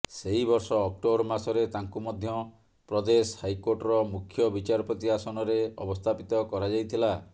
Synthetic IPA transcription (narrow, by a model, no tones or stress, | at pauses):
seɦibɔɾsɔːk̚ʈobɔɾmasɔɾet̪aŋkumɔd̪ʱjɔ | pɾɔd̪eshajkoɾʈɔɾɔmukʰːjɔbit͡ʃaɾɔpɾɔt̪iasɔñɔɾeɔ̰bɔst̪ʰapit̪ɔkɔɾad͡ʒajt̪ʰila